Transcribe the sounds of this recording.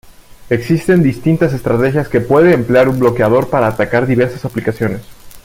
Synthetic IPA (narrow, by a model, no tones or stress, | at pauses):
e̞ksist̪e̞nd̪ist̪int̪ase̞st̪ɾat̪e̞xjaske̞pwe̞ðeːmpleaɾumblo̞keað̞o̞ɾpaɾaːt̪akaɾðiβe̞ɾsasaplikasjo̞ne̞s